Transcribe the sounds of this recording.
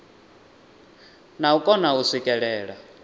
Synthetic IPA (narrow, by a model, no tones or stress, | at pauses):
naukʼɔnausikʼɛɺɛːɺa